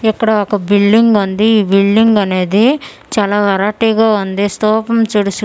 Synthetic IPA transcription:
ɛkːɐɽɐɔkɐbilɖiŋɡund̪iːbiɭɖiŋɡɐneːd̪i | t͡ʃaːlaːʋɐɾaːʈiɡaːund̪ist̪ɔːpɐmt͡ʃuːɽus

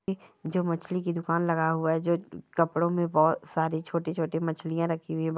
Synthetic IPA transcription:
ed͡ʒoːmɐt͡ʃʰlikid̪ʊkaːnlɐɡaɦʊaɦɛd͡ʒoːkɐpɽõmẽbɔːt̪saːɾit͡ʃʰoːʈet͡ʃʰoːʈemɐt͡ʃʰlijãɾɐkʰiɦʊɛ̃

